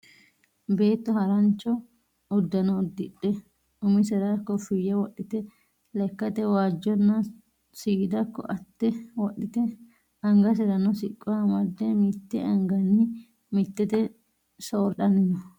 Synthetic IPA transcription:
be̞ːt̪ːɔhɐɾɐnt͡ʃːɔ | ʊd̪ːɐnɔʊd̪ːɪɗɛ | ʊmɪsɛɾakːɔfɪjːɛwɔɗːɪt̪ɛ | lɛkːɐt̪ɛwaːd͡ʒːɔnːɐ | siːd̪ɐkːɔ̰ʔɐt̪ːɛwɔɗɪt̪ɛ | ɐŋɡɐs̬ɛɾɐnɔsɪkʼːɔɐmɐd̪ːɛmɪt̪ːɛʔɐŋɡɐnːɪ | mɪt̪ːɛt̪ɛ | soːɾᶑɐnɪnɔ

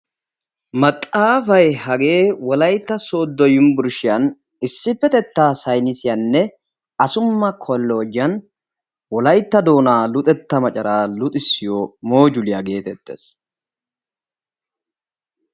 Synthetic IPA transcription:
mɐt̪ʼːaːfɐjhɐɡe̞ːwɔlɐjt̪ːɐsoːd̪ːɔjʊmbʊɾʃɪjɐn | ɪsːɪfːɛt̪ɛt̪ːaːsɐjnɪsɪjɐnːɛ | ɐsʊmːɐkʰɔlːoːd͡ʒɪjɐn | wɔlɐjt̪ːɐd̪o̞ːnaːlʊt̪ʼɛt̪ːɐmɐt͡ʃʼɐɾaːlʊt̪ʼɪsːɪjoːmo̞ːd͡ʒʊlɪjɐɡe̞ːt̪ɛt̪ːḛːs

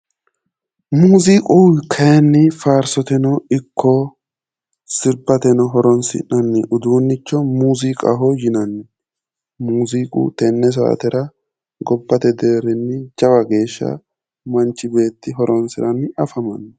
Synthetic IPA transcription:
muːziːkʼuwkʰːɐjɐnːɪfaːɾsɔt̪ɛnɔɪkʰːɔ | sɪɾbɐt̪ɛnɔɦɔɾɔnsɪ̰nːɐnːɪʔʊd̪uːnːɪt͡ʃːɔmuːziːkʼɐ̰ɦɔjɪnɐnːɪ | muːziːkʼṵt̪ɛnːɛs̬a̰ʔɐ̰t̪ɛɾɐ | ɡɔbːɐt̪ɛd̪e̞ːɾɪnːɪd͡ʒɐwɐɡe̞ːʃːɐ̰ | mɐnt͡ʃːɪbe̞ːt̪ːɪɦɔɾʔɔnsɪɾɐnɐfɐmɐnː

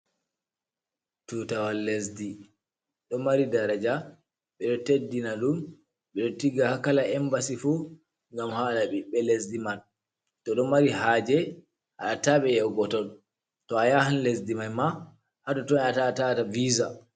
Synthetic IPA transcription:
tutawalːesdi | ɗɔmaɾidaɾad͡ʒa | ɓɛɗɔtedːinaɗum | ɓɛɗɔtiɡahakalaɛmbasifu | ŋɡamhanaɓiɓɛlesdiman | tɔɗɔmaɾiɦaːd͡ʒɛ | ʔa̰ɗataɓɛjɛwɡɔtɔn | tɔajahanlesdimanma | hadɔtɔnatatataviːza

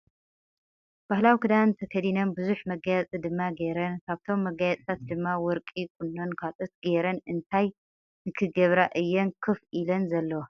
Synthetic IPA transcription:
b̥ahlawikʰɨd̪ant̪ʰɐkʰɐd̪inɐmbɨzuħmɐɡajɛt͡sʼid̪ɨmːaɡeɾɐnkʰaβt̪ʰo̞mːɐɡajɐt͡sʼt̪ʰat̪d̪ɨmːawɔɾkʼik̚ʰunːonkʰat͡sʼɐt̪ɡeɾɐnʔɨnt̪ʰaj | nɨkʰɨɡɐβɾaʔɨjːɛnkʰɨfilɐnzɐlːɐwo

